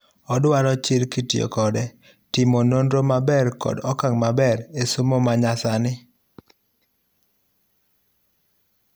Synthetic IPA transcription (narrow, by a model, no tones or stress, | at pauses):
ɔdwaɾɔt͡ʃilkitjo̰kɔdɛ | tɪmonondɾomabɛrkɔ̰dɔkaŋmabɛɾesomomaɲasanɪ